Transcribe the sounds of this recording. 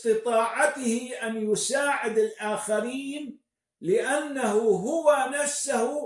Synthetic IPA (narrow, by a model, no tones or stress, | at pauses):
t̪ɨt̪ˤɑːʕɑt̪ɪhɪʔanjʊsaːʕɪd̪ɪlʔaːxaɾiːn | lɪʔanːahuɦʊwanafsahʊ